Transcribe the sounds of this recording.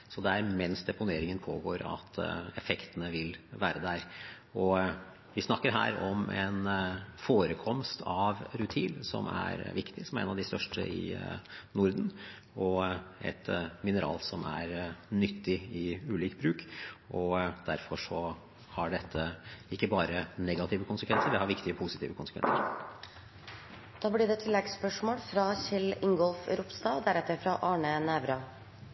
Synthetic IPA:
sɔd̪ɛæɾmɛnsd̪ɛpʊneːɾɪŋənpʰoːɡoːɾɑ̰t̪ɛfɛkt̪ənəʋɪlʋæːɾəd̪æɾ | ɔ | ʋɪsnɑkːəɾɦæ̰ːɾɔmɛ̰nfoːɾəkʰɔmst̪ʰɑʋɾʉt̪ʰiːlsɔ̰mæ̰ɾʋɪkt̪ɪsɔmæɾḛːnɑʋd̪ɪst̪œʂʈə̰ɪ̰nʊɾd̪n̩ | ɔɛ̰t̪mɪnəɾɑ̰ːlsɔmæɾnʏt̪ʰːɪɪʉːliːkbɾʉːkʔɔd̪̥æɾfɔʂɔ | hɑɖɛt̪ʰːəɪkːəbɑːɾənɛɡɑt̪ʰiːʋəkʊnsəkʰʋɛnsəɾɖ̪ɛhɑɾʋɪkt̪ɪəpʰʊsɪt̪ʰiːʋəkʰʊnsə̥kʋɛ̰nsəɾ | d̪̥ɑːblɪɖ̪ɛːt̪ʰɪlːɛɡspœʂmoːlfɾɑːɕɪlɪŋɡɔlfɾʊpst̪ɑːd̪æɾɛt̪ːəɾfɾɑʔɑːɳənæːʋɾɑ

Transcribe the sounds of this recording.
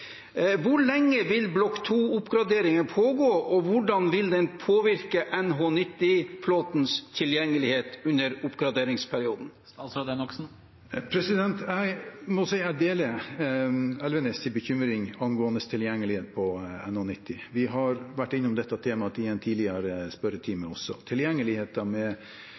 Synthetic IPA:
ʋʊɾɭɛŋːəʋɪlblɔkːt̪ʰuːʊpɡɾɑd̪eːɾɪŋənpʰoːɡoːʔɔʋʊɖɑnʋɪld̪ɛnpʰoːʋɪɾkəʔɛnɦoːnɪt̪ːɪfloːt̪n̩st̪ʰɪljɛŋːəlɪheːt̪ʉnːəɾʊpɡɾɑd̪eːɾɪŋspʰæɾɪuːd̪n̩ | ɑsɑd̪ɛnɔksn̩ | pʰɾɛsɪd̪ɛnt̪ʰæɪmɔsæɪæɖeːlə | ɛlʋənəst̪ʰɪlbəçʏmɾɪŋɑnɡoːənəst̪ʰɪljɛŋːəlɪheːt̪̚pʰɔɛ̰nhoːnɪt̪ːɪʋɪɦɑɾʋæʈːɪnːʊmd̪ɛt̪ːɑt̪ʰeːmɑt̪ɪɛnt̪ʰiːlɪəɾəspœɾət̪ʰiːməɔsɔ̰t̪ʰɪljɛŋːəlɪheːt̪ɑmɛ

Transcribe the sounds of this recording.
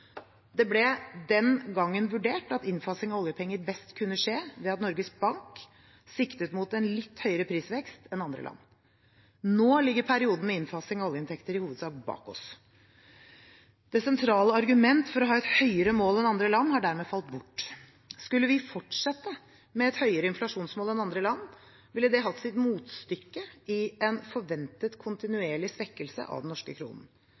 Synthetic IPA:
d̪ɛblɛd̪ɛnɡɑŋːənʋʉɖeːʈɑt̪ɪnfɑsɪŋɑɔljəpʰɛŋːəɾbɛst̪kʰʉnːəʂeːʋɛɑt̪nɔɾɡəsbɑŋk | sɪkt̪ət̪mut̪ɛnlɪt̪ːhœʏəɾəpʰɾiːsʋɛkst̪ɛnɑnd̪ɾə̰lɑ̰nː | noːlɪɡːəɾpʰæɾɪuːd̪n̩mɛɪnfɑsɪŋɑɔljəɪnt̪ʰɛkt̪əɾɪhuːʋəd̪sɑːk̚bɑ̰ːkɔ̰s | d̪̥ɛsɛnt̪ʰɾɑːləɑɾɡʉmɛnt̪fɔɾɔɦɑːɛt̪hœʏəɾəmoːlɛnɑnd̪ɾəlɑnːhɑɖæːɾmɛːfɑlt̪̚bʊʈː | skʉlːəʋɪfɔʈʂɛt̪ːə | mɛɛt̪hœʏəɾəɪnflɑʂuːnsmoːlɛnɑnd̪ɾəlɑnː | ʋɪlːəd̪ɛɦɑt̪ːsɪt̪muːt̪st̪ʏkːəɪɛnfɔɾʋɛnt̪ət̪kʰʊnt̪ɪnʉeːɭɪsʋɛkːəlsə̰ʔɑ̰ʋd̪ɛnnɔʂkəkʰɾṵːnn̩

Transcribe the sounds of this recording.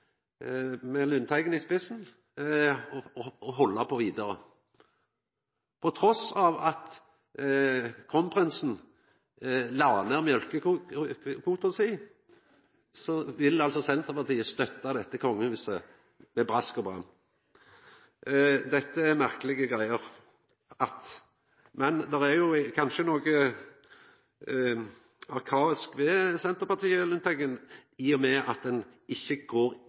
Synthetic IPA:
mɛlʉnt̪ʰæɪɡənɪspɪsn | ɦɔlːəpʰɔʋiːd̪əʁə | pʰɔt̪ʰʁɔsɑʋɑt̪ | kʰʁɔnpʰʁɪnsn̩ | lɑʁnəʁmjœlkə | kʰuːt̪ʊsɪː | sɔʋɪlɑlsɔsɛnt̪ʁəpɑʁt̪ʰiːəst̪œt̪ːɑd̪ɛt̪ːəkʰɔŋːəʉːsə | mɛbʁɑskɔbʁɑ̰m | d̪ɛt̪ːəɛʁmæʁkəlɪɡəɡʁæɪəʁ | ɑt̪ | mɛnd̪ɛʁæɾjʊkʰɑnʃənoːɡə | ɑʁkʰɑːɪskʋɛsɛnt̪əɾpɑt̪ʰiːəlʉnt̪ʰɛɡəniːɔmɛʔɑt̪̚d̪ɛnɪçːəɡ̥oːɾ

